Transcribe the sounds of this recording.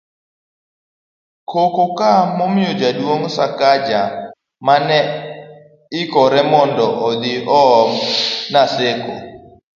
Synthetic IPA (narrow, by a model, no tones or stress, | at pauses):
kokokamɔmɪjod͡ʒadwoŋsakad͡ʒa | manɛ | ɪkɔɾɛmɔndɔʔɔd̪ɪɔmnaseko̰